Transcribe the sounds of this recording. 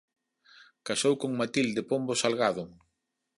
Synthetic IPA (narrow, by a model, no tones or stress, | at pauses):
kasowkoŋmat̪ild̪ɪpombʊsalɣaðʊŋ